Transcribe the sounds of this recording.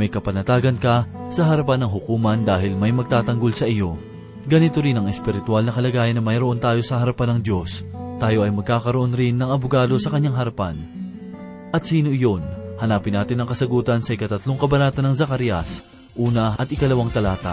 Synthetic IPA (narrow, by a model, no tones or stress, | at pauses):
mɐjkɐpɐnɐt̪aːɡɐnkɐsɐɦɐɾɐpanːɐŋɦʊkuːmɐnd̪aːhɪlmɐjmɐɡ̚t̪aːt̪ɐŋɡo̞lsɐʔɪjo̞ | ɡɐnɪt̪o̞ɾinɐŋɛspɪɾɪt̪ʊalnɐkɐlɐɡaːjɐnːɐmɐjɾoo̞nt̪aːjo̞sɐhɐɾɐpanːɐŋd̪jo̞st̪aːjo̞ʔɐjmɐɡ̚kaːkɐɾoʔo̞nɾɪnːɐŋɐbʊɡaːd̪o̞sɐkɐɲːaŋɦɐɾɐpan | ʔɐt̪̚siːno̞ʔɪjo̞nhɐnaːpɪnaːt̪ɪnɐŋkɐsɐɡuːt̪ɐnsɐʔɪkɐt̪ɐt̪lo̞ŋkɐbɐnaːt̪ɐnːɐŋzɐkɐɾjɐs | ʔuːnɐɐt̪ʔɪkɐlɐwaŋt̪ɐlaːt̪ɐ̰